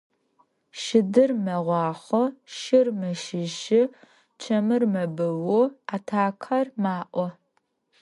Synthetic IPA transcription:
ʃɪdɨrmɐʁʷɑːχʷɔʃɪrmɨʃɪʒɪ | t͡ʃʰɐmɨrmɐbɐwɔaːtʰaːkʰɐrmaːʔʷɔ

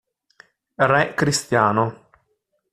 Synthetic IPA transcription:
rɛkɾist̪jaːno

